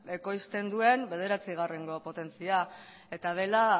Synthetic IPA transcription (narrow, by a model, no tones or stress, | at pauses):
e̞ko̞jst̪e̞nd̪ue̞mbe̞ð̞e̞ɾat͡siɣ̞areŋɡo̞po̞t̪e̞nt͡sia | e̞t̪að̞e̞la